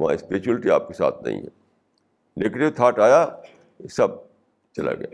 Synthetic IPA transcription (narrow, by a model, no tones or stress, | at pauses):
ʋɐã̰ːɪspeːt͡ʃuəlʈia̰ːp̚kesa̰ːt̪̚ʰnɐ̰ɦḭ̃ɦɛ̰ | nɪkʈet̪ʰaːʈaːja | sɐb̚ | t͡ʃɐla̰ɡja